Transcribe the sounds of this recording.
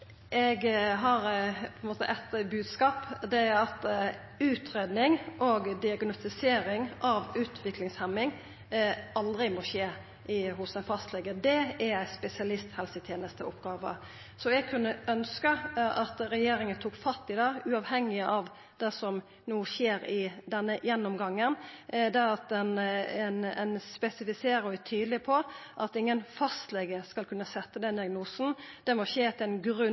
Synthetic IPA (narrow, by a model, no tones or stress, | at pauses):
ɛɡɦɑɾpʰɔɛnmoːt̪əʔɛt̪bʉːd̪skɑːpd̪ɛɑt̪ | ʉːt̪ʰɾeːd̪nɪŋʔɔɡd̪ɪɑɡnɔst̪ɪseːɾɪŋʔɑʋʉːt̪ʰʋɪklɪŋshɛmːɪŋ | ɑld̪ɾɪmɔɕeː | ɪɦʊsæɪnfɑst̪lɛːɡəd̪ɛɛɾæɪspɛsɪɑlɪst̪hɛlsɪt̪ʰjeːnəst̪əʔɔpɡɑːʋə̰ | sɔɛɡ̚kʰʉnːəœnskəʔɑt̪ɾɛjeːɾɪŋənt̪ʰuːkfɑt̪ːɪd̪ɑːʉɑʋhɛŋːɪəʔɑʋ | d̪̥ɛsɔm | nuːʃeːɾɪd̪ɛnːəjɛnːɔmɡɑŋːənd̪ɛɑt̪ɛnɛnɛnspɛsɪfɪseːɾəɔɛt̪ʰyːd̪lɪpʰɔʔɑt̪ɪŋːənfɑst̪lɛɡəskɑlkʰʉnːəsɛt̪ːəd̪ɛnd̪ɪɑɡnuːsn̩d̪̥ɛmɔʃeːt̪ʰɛnɡɾʉ